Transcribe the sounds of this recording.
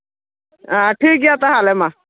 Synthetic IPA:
aʈʰiːk̬jat̪aɦalema

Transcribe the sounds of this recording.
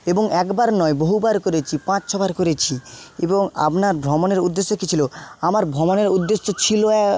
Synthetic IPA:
eboŋɛkbaɾnɔeboɦubaɾkoɾet͡ɕʰipãt͡ɕt͡ɕʰɔbʱaɾkoɾet͡ɕʰieboŋa̰pnaɾbʱɾɔmoneɾud̪ːesːokit͡ɕʰiloamaɾbʱɾɔmoneɾud̪ːesːot͡ɕʰiloɛ

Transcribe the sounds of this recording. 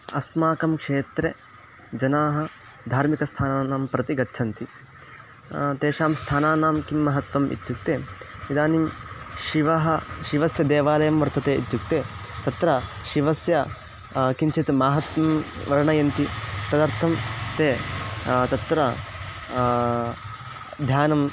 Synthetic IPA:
ɐsmaːkɐmkʂeːt̪ɾe | d͡ʒɐnaːɦɐ̆ | d̪ʱaːɾmikɐst̪ʰaːnaːnaːmpɾɐt̪iɡɐtːʃʰɐnt̪i | t̪eːʃaːmst̪ʰaːnaːnaːmkimːɐɦɐt̪ʋɐmʔḭt̪juk̚t̪eːid̪aːnimʃiʋɐɦɐʃiʋɐsjɐd̪eːʋaːlɐjɐmʋɐɾt̪ʰɐt̪eːit̪juk̚t̪eːt̪ɐt̪ɾɐʃiʋɐsjɐ | kint͡ʃʰit̪maːɦɐt̪ʋɐmʋɐɾɐɳɐjɐnt̪it̪ɐd̪ɐɾt̪ʰɐmt̪eː | t̪ɐt̪ɾɐ | d̪ʱjaːnɐm

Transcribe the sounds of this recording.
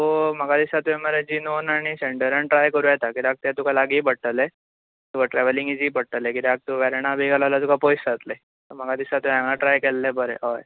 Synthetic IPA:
oməɡad̪isat̪ueməɾed͡ʑinonaɽ̃iseɳɖəɾəɳʈɾajkəɾujɛt̪akiɾaɡ̚t̪jat̪ukʰalaɡiːpəɽʈəle | t̪ukʰəʈɾɛʋəliŋɡid͡ʑiːpəɽ̚ʈəlekit̪iak̚t̪uʋɛɾeɳ̃abʱiɡalalat̪ukʰapojsd͡zat̪le | t̪əɾm̤əɡad̪isat̪uãŋɭaʈɾajkɛlːebəɾḛɦɔj

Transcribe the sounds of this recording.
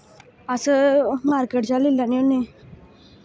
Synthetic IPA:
əsəmaɾkeʈ̚d͡zalilːanione

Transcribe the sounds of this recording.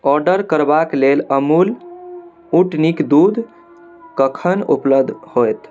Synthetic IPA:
ɔɾɖəɾkəɾbakleləmul | uʈnikd̪ud̪ʱ | kəkʰənṵpləbd̪ʱhojt̪

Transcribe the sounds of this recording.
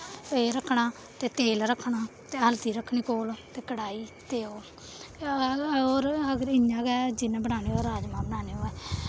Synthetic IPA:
peːɾəkʰːɳaː | t̪eːt̪eːlɾəkʰːɳaːt̪eːɦəlt̪iːɾəkʰːɳiːkoːloːt̪eːkəɽaːiːt̪eːoː | oːɾəɡəɾɪjãːɡɛːd͡ʒɪnbəɽaːneːoːɾaːd͡ʒmãːbənaːneːoːɛː

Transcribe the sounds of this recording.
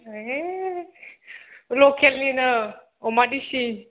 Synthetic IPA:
e | lokelninə | omadisi

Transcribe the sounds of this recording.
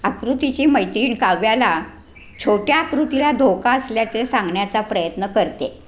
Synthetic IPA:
akɾut̪it͡ɕiːməjt̪ɾiːɳkaʋjala | t͡ɕʰoʈjaːkɾut̪ilad̪ʱokaəsljat͡sesãŋɡɳjat͡sapɾəjət̪nəkəɾt̪e

